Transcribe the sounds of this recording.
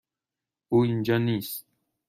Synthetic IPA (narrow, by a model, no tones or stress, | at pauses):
uind͡ʒanis